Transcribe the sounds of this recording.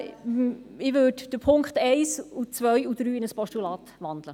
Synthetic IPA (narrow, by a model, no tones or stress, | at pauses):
ɪʋøːdd̥əpʰʊŋkχtɛɪsut͡sʋœjud̥ɾyːɪnəspɔʃtulɑːt̪ʋɑnd̥lə